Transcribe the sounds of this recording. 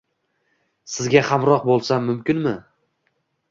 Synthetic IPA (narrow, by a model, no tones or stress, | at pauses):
sɪzɡʲahamɾɒq̚bolˠsamːʊmkʲɪnmɪ